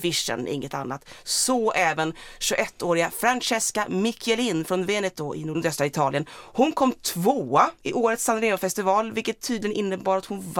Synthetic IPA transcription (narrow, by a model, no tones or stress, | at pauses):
vɪʂə̰nʔɪ̰ŋːət̪a̰nːa̰t̪sɔʔɛːvənɕɵʔɛt̪ʰːoːɾɪɡafɾanɕɛskamɪkʰɛlɪnfɾɔnveːnɛt̪ʊʔɪ̰nuːɖ̪œst̪ɾaɪt̪ʰɑːlɪənhʊnkʰɔmːt̪ʰvoːaɪʔoːɾət̪sanɾeːʊfɛst̪ɪvɑːlvɪlkət̪ʰːiyːd̪lɪɡənɪnːəbɑːɾat̪hʊnv